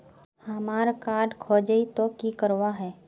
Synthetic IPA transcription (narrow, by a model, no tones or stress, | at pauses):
həmaːɾkaːɾɖkʰoːd͡ʒəit̪okikəɾwaɦɛː